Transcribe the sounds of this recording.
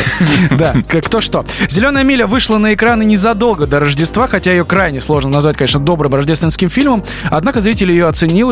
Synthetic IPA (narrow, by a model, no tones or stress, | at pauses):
d̪akkt̪o̞ʂt̪o̞zʲɪlʲo̞nəjəmʲilʲɪjəvɨʂlˠənəɪkɾanɨnʲɪzɐd̪o̞lˠɡəd̪əɾəʐdʲɪst̪vaxɐtʲajɪjokɾajnʲɪslˠo̞ʐnənɐzvatʲkɐnʲeʂnəd̪o̞bɾɨmrɐʐdʲest̪vʲɪnskʲɪmfʲilʲməm | ɐd̪nakəzɾʲitʲɪlʲjɪjoɐt̪sɨnʲilˠ